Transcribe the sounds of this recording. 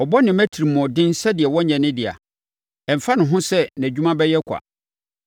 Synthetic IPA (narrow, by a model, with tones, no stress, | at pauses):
ɔ˨bɔ˦nɪ̃˨mæ˦tʰi˨ɾi˨mɔ̃˨dɪ̃˦n˦sɛ˦dɪ˨ɛ˨wɔ˦ɲɛ̃˨nɪ̃˦dɪ˨a̰˨ | ɛ˨m̩˨fa˦nʊ̃˨ɦʊ̃˦sɛ˦næ̃˨d͡ʑᶣu˦mã˦bɛ˦jɛ˦kʷʰa̰˨